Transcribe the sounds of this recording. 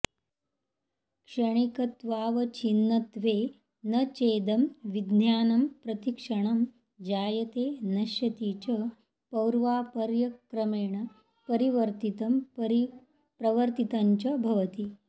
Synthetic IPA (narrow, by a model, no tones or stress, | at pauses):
kʂɐɳ̃ikɐt̪ʋaːʋɐt͡ʃinːɐt̪ʋeː | nɐt͡ʃeːd̪ɐmʋid̪njaːnɐmpɾɐt̪ikʂɐɳ̃ɐm | d͡ʒaːjɐt̪eːnɐʃjɐt̪iːt͡ʃɐ | pɐwɾʋaːpɐɾjɐkɾɐmeːɳɐ | pɐɾiʋɐɾt̪it̪ɐm | pɾɐʋɐɾt̪it̪aɲt͡ʃɐbʱɐʋɐt̪i